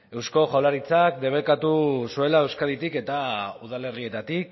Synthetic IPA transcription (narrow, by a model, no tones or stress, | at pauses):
e̞wsko̞ʝawlaɾit͡sakd̪e̞β̞ekat̪usue̞lae̞wskaðit̪ike̞t̪auð̞ale̞rie̞t̪at̪ik